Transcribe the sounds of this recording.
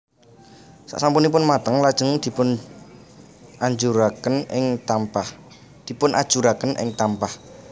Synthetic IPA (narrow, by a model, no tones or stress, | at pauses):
sa̰ʔsampunip̬ʊnmat̪əŋlad̥ʒ̥əŋd̪̥i̤pʊn | ʔaɲd͡ʒuɾakənɪŋt̪ampa | d̪̥i̤pʊnʔa̰d̥ʒ̥uɾakənʔɪ̰ŋt̪ampah